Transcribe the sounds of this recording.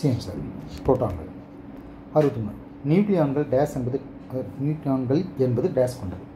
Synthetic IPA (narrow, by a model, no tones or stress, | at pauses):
siɐmsaɾp̪oːʈːa̰ːŋɡɐ̰ɭ | ɐɾɯʋɐt̪ːɯmːɐ | njuːklɪjaːnɡɐɭɖeːsɛnbɐðɯ | njuːklɪjaːnɡɐɭɛnbɐðɯɖeːskɔɳɖɐðɯ